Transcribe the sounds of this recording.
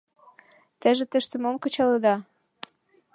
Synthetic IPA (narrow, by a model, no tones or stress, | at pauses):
t̪ə̆ʒĕt̪ə̆ʃt̪əmomkə̆t͡ɕɑləd̪ɑ